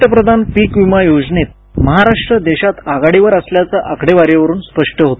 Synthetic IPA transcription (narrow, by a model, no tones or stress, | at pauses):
əpɾəd̪ʱanpikʋimajod͡znet̪̚ | məɦaɾaʂʈɾəd̪eɕat̪aɡaɽiʋəɾəsljat͡səʔakʰɽeʋaɾjeʋəɾuːnspəʂʈəɦot̪